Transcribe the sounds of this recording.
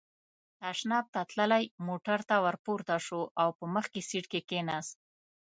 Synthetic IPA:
aʃnɑb̚t̪at̪ləlajmoʈaɾt̪awaɾpoɾt̪aʂoʔawpəməxkesiʈkekenas

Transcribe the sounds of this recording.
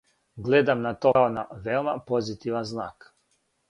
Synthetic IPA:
ɡled̪amnat̪oaona̰ʋeomapozit̪iʋanznaːk

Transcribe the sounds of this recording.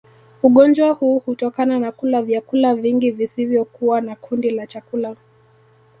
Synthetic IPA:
uɠɔnd͡ʒahuːhutɔkananakulavjakulaviŋɡivisivjɔkuwanakʰundilat͡ʃakula

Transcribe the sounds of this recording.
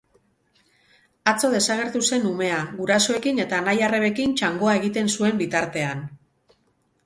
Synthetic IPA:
at͡so̞ð̞e̞saɣ̞e̞ɾt̪use̞nume̞aɣuɾaso̞e̞kine̞t̪aːnajareβe̞kint͡ʃaŋɡo̞aeɣ̞it̪e̞nsue̞mbit̪aɾt̪e̞an

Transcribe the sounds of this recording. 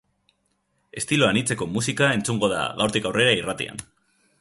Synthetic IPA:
e̞st̪iloanit͡se̞ko̞musikae̞nt͡suŋɡo̞ða̰ɣawɾt̪ikawre̞ɾairat̪ḭa̰n

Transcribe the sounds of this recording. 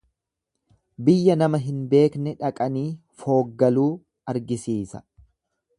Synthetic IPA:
bɪjːɐnɐmɐɦɪnbe̞ːknɛᶑɐkʼɐniː | fo̞ːɡːɐluː | ɐɾɡɪsiːsɐ̥̰

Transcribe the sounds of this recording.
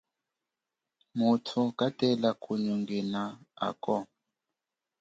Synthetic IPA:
mutʰukatɛlakʰʼuɲuŋɡɛnaa̰kɔ

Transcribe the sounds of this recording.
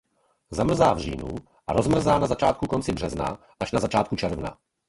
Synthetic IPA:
zamr̩zaːvr̝ḭːnṵ | ʔaɾozmr̩zaːnazat͡ʃaːt̪̚kukont͡sɪbr̝ɛzna̰ | ʔaʒnazat͡ʃaːt̪kut͡ʃɛɾvna̰

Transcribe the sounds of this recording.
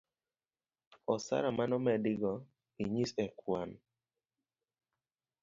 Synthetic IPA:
ɔsa̰ɾamanɔmɛdɪɡɔ | iɲisɛkʰwan

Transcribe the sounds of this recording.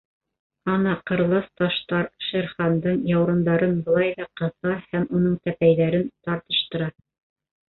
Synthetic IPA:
ɑnɑqɤ̆ɾlˠɑθt̪ɑʃt̪ɑɾʃæɾχɑnd̪ɤɴjɑwɾɤ̆nd̪ɑɾɤnbɤ̆lˠɑjðɑqɤ̆θɑhæmunɤɴt̪æpæjðæɾɘnt̪ɑɾt̪ɤ̆ʃt̪ɤ̆ɾɑ

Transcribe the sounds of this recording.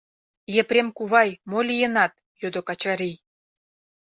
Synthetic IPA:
jeprʲemkuβɑjmolʲijə̆nɑt̪̚ | jod̪okɑt͡ɕɑɾij

